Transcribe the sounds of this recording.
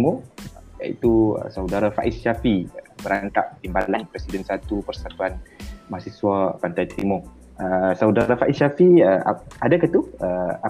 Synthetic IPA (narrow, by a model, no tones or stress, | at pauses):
moja̰ḭt̪uə̰sawdaɾafa̰ʔisʃafibəɾaŋt̪a̰ʔt̪imbalanpɾɛsidənsat̪upərsat̪uanmahsisuapant̪ajt̪ɾimɔ | əsawdaɾafaʔiʃafiəa̰adakət̪uəa